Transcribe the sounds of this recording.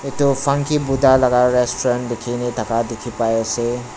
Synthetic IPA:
et̪opʰaŋkʰibud̪ʱalaɡaɾestɔɾan̚d̪ekʰinetakad̪ekʰipajəse

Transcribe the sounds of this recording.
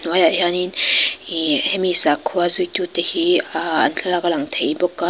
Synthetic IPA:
wajajaninihemisakʰːuazujtutahiɐ̰nɬʰalaɡalaŋtʰejbɔkːa

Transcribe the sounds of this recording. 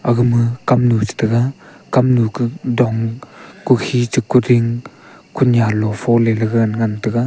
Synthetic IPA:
aɡɯmɯkamnut͡ʃɯ̥tɯɡa | kamnukɯdɔŋkukʰit͡ʃɯkːuɾiŋ | kʰunjalɔfʰɔlelɯɡɯnŋantɯɡa

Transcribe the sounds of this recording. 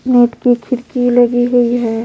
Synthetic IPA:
neːʈkikʰɪɾkilɐɡiɦoiɦɛː

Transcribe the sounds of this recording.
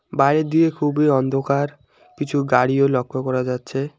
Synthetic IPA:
bajɾed̪iekʰubiɔnd̪ʱokaɾ | kit͡ʃʰuɡaɽiolɔkʰːɔkɔɾad͡ʒatːt͡ʃʰe

